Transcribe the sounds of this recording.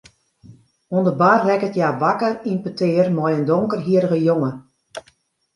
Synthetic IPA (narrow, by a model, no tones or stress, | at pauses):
ondəbarrɛkətjaːʋakərinpətʰɪːrmɔjəndoŋkərɦiəɾəɣəjoŋə